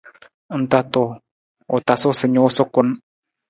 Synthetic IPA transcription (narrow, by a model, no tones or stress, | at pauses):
ənt̪at̪o | ot̪asosəɲosokʊn